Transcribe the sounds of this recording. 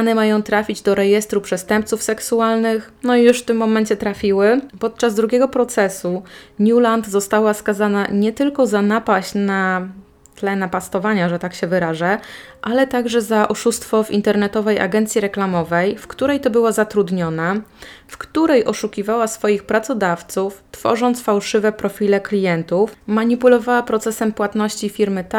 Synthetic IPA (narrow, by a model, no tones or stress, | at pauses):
anɛmajɔ̃w̃t̪ɾafʲid͡ʑd̪ɔɾɛjɛst̪ɾupʂɛst̪ɛmp̪̚sufsɛksualnɘxnɔijuʂft̪ɘmːɔmɛɲt͡ɕɛt̪ɾafʲiwɘpɔt̪̚t͡ʂazd̪ɾuɡʲɛɡɔpɾɔt̪sɛsuɲuland̪zɔst̪awaskazanaɲɛt̪ɘlkɔzanapaɕt͡ɕna | t̪lɛnapast̪ɔvaɲaʐɛt̪akɕɛvɘɾaʐɛ | ʔalɛt̪aɡʐɛzaʔɔʂust̪fɔvḭnt̪ɛɾnɛt̪ɔvɛjʔa̰ɡɛnt̪sʲjiɾɛklamɔvɛjfkt̪uɾɛjt̪ɔbɘwazat̪ɾud̪ɲɔnafkt̪uɾɛjʔɔʂukʲivawasfɔjixpɾat̪sɔd̪aft̪suft̪fɔ̰ʐɔnt̪sfawʂɘvɛpɾɔfʲilɛklʲijɛnt̪ufmaɲipulɔvawapɾɔt̪sɛsɛmpwat̪nɔɕt͡ɕifʲiɾmɘt̪